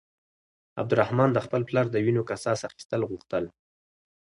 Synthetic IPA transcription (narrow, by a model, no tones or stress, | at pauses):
a̰b̚d̪ʊɾahmɑnd̪əxpəlplɑɾd̪əwinokasɑsaxi̥st̪əlɣuxt̪əl